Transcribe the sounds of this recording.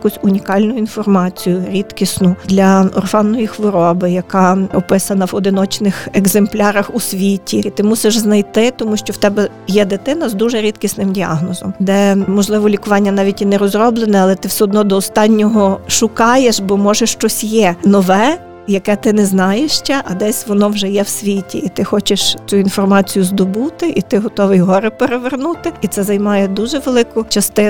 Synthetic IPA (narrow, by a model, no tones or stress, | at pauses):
kusʲʊnʲikɑlʲnʊinfɔrmɑt͡sʲijʊɾʲit̪kʲisnʊd̪lʲɐɔ̰rfɑnːɔjixʋɪɾɔbɪjɐkɑɔpɪsɐnɐwɔd̪ɪnɔt͡ʃnɪxɛɡzemplʲɑɾɐxusʲʋʲitʲiit̪ɪmusɪʒznɐjt̪ɪt̪ɔmuʃt͡ʃɔwt̪ɛbɛ | jɛd̪et̪ɪnɐzd̪uʒɛɾʲit̪kʲisnɪmdʲiɑ̰ɦnɔzɔmd̪ɛmɔʒlˠɪʋɔlʲikʊʋɑnʲːɐnɑʋʲitʲinɛɾɔzrɔblˠenɛɐlˠɛt̪ɪwsʲɛɔd̪nɔd̪ɔːst̪ɑnʲːɔɦɔʃʊkɑjeʃbɔmɔʒɛʃt͡ʃɔsʲjɛnɔʋɛ | jɐkɛt̪ɪnɛznɑjeʃt͡ʃɛʔɐd̪ɛsʲʋɔnɔwʒɛjɛwsʲʋʲitʲiːt̪ɪxɔt͡ʃɪʃt͡sʲuinfɔrmɑt͡sʲijʊzd̪ɔbut̪ɪʔit̪ɪɦɔt̪ɔʋɪjɦɔɾɪpeɾeʋernut̪ɪit̪sɛzɐjmɑjɛd̪uʒɛʋelˠɪkʊt͡ʃɐst̪ɪ